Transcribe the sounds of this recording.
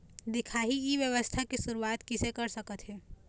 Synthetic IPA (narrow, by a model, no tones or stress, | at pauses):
d̪ɪkʰaːɦiiʋjəʋəst̪ʰakisʊɾuaːt̪kɪsekɐɾsɐkət̪ɦɛː